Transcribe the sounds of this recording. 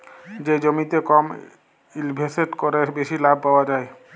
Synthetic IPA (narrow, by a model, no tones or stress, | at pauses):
d͡ʑed͡ʑomit̪ekɔm | ilbʱeseʈkoɾebeʃilabʱpaoad͡ʑae